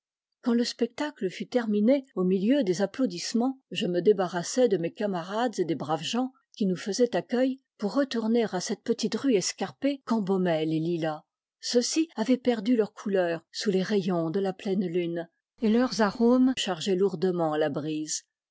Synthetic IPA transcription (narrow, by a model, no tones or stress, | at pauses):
kɑ̃ləspɛk̚t̪akləfyt̪ɛʁmineomiljød̪ezaplod̪ismɑ̃ʒəməd̪ebaʁasɛd̪əmekamaʁad̪zed̪ebʁavʒɑ̃ | kʲinufəzɛt̪akʲœj | puʁːət̪uʁneʁasɛt̪̚pət̪it̪ʁyɛskaʁpekɑ̃bɔmɛlelila | səsiavɛpɛʁd̪ylœʁkʰulœːʁsuleʁejɔ̃d̪əlaplɛnlyn | elœʁzaʁomʃaʁʒɛluʁd̪əmɑ̃labʁiːz